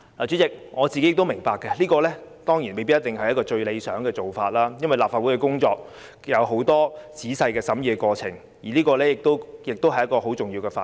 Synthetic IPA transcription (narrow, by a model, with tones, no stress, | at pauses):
laː˨˩yː˨˥t͡sɪ˨k̚ŋɔː˨˧t͡si˨ke˥jɪ˨kt̪wmɪ˨˩ŋpaː˨kːɛ˧liː˥kɔː˧lɛː˥t̪ɔː˥ŋji˨˩nme˨jp̬i˥jɐ˥t̪ɪ˨˩ŋhɐ˨jɐ˥tkɔː˧t͡ʃɵ˧ɥle˨˧jsœ̰ː˨˥ŋkɛː˧t͡so˨wfaː˧t̚laː˥jɐ˥nwɐ˨jlaː˨p̚faː˧wu˨˥jkɛ˧kʊ˥ŋt͡ʃɔː˧k̚ | jɐ˨˧wɦo˨˥wt̪ɔː˥t͡siː˨˥sɐ˧jkɛː˧sɐ˨˥mjiː˧ɛ˧kʷɔː˧t͡sʰɪ̰˨˩ŋ | jiː˨˩liː˥kɔː˧lɛː˥jɪ˨˩k̚t̪o˥wjɪ˨k̚t̪o˥wɦɐ˩jɐ˥tkːɔː˧ɦo˨˥wt͡sʊ˨ŋjiː˧wkɛː˧faː˧